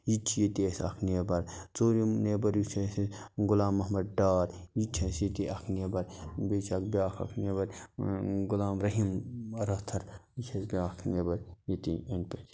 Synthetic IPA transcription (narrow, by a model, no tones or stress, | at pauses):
jit͡ʃʰijet̪isɐ̰kʰneːbɐɾt͡soːɾineːbɐɾjit͡ʃʰẽsɡʊlaːmːɐɦmɐd̪̚ɖaːɾ | jit͡ʃʰẽsit̪iʔɐkʰneːbɐɾbeːt͡ʃʰɐkbʲaːkʰɐ̰kʰneːbɐɾ | ɡʊlaːmɾɐɦimɾɐst̪ʰɐɾit͡ʃʰɐsbʲaːkʰneːbɐɾjit̪ĩenpet̪